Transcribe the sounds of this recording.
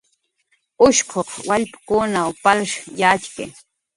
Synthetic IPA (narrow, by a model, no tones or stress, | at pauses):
ʊʃqʰoχwaʎpḁkʊnawpalʃjat͡ʃkɪ̰